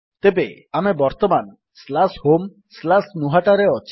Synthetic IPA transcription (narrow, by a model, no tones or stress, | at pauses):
t̪ebeamebɔɾt̪ɔman | slashom | slasnuɦaʈaɾeɔt͡ʃʰ